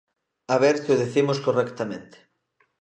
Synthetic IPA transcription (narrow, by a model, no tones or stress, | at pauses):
aβɛɾt̪oðiθimoskorɛkt̪amḛ̃nt̪e̥